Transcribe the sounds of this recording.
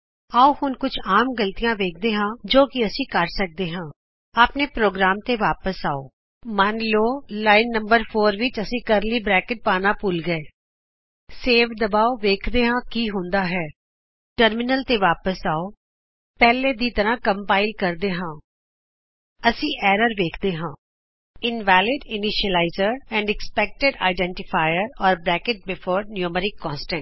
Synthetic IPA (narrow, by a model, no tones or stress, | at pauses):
aːuːhʊnkʊt͡ʃʰaːmɡəlt̪ijãːʋeːk̚ʰd̪eːɦãːd͡ʒoːkɪəsĩːkəɾsək̚d̪eːɦãː | aːpneːpɾoːɡɾaːmt̪eːʋaːpəsaːo̰ː | mənloːlaːɪnːəmbəɾpʰoːɾʋɪt͡ʃəsĩːkəɾliːbɾɛːkɪʈ̚paːnaːpʊlɡəeː | seːʋd̪əbaːoʋeːkʰd̪eːɦãːkiːɦʊ̃nd̪aːɦɛː | ʈəɾmɪnəlt̪eːʋaːpəsaːoː | pɛːleːd̪iːt̪əɾãːkəmpaːɪlkəɾd̪eːɦãː | əsĩːʔɛːɾəɾʋeːkʰd̪eːɦãː | ɪnʋɛːlɪɖɪnɪʃəlaːɪzəɾɛ̃ːɳɖɛkspɛːk̚ʈɪɖa̰ːɪɖɛ̃ːɳʈɪpʰaːjəɾɔːɾbɾɛːkɪʈ̚bɪpʰoːɾnjuːməɾɪkːɔ̃ːnsʈɛ̃ɳ